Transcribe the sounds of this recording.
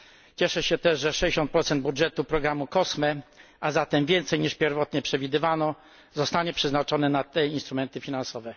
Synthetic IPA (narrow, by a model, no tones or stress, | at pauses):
t͡ɕɛʂɛɕɛt̪ɛʐʐɛʂɛd͡ʑeɕɔnt̪pɾɔt̪sɛnd̪̚budʐɛt̪upɾɔɡɾamukɔsmɛʔazat̪ɛmvʲjɛnt̪sɛjɲiʂpʲjɛɾvɔt̪ɲɛpʂɛvʲid̪ɘvanɔ | zɔst̪aɲɛpʂɛznat͡ʂɔnɛnat̪ɛinst̪ɾumɛnt̪ɘfʲinansɔvɛ